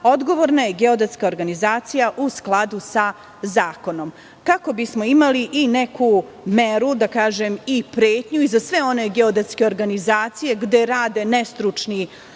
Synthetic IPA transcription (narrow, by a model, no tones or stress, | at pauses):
o̞d̪ɡo̞ʋoɾnajeɡeo̞d̪et̪skaoɾɡanizaːt̪sijaʔusklˠad̪usa | zaːko̞no̞m | kako̞bismo̞imaliʔineku | meɾud̪akaːʒemipɾeːt̪ɲuizasʋe̞o̞neɡeo̞d̪et̪ske̞o̞ɾɡanizaːt̪sije̞ɡd̪e̞ɾaːd̪e̞nest̪ɾut͡ʂni